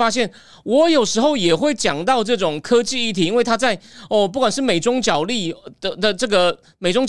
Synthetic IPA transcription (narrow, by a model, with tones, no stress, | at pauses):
a˥ɕjɛ˥˩n | wɔ˧˥jo˨˩ʊʂɻ̩˧˥xo˥˩ʊjɛ˨˩xwe˥˩ɪt͡ɕjɑ˨˩ŋt̪ɑ˥˧ʊʈ͡ʂɤ˥˩ʈ͡ʂʊ˨˩ŋkʰɤ˥t͡ɕi˥˧i˥˩t̪ʰi˨˩i˥nwe˥˩ɪt̪ʰa˥t͡sa˥˩ɪɔ˥˧p̬u˥˩kwa˨˩nʂɻ̩˥˩me˨˩ɪʈ͡ʂʊ˥ŋt͡ɕjɑ˨˩ʊli̥˥˩ə˧d̪ə˨ʈ͡ʂɤ˥˩ɡə˩ | me˨˩ɪʈ͡ʂʊ˥ŋt͡ɕ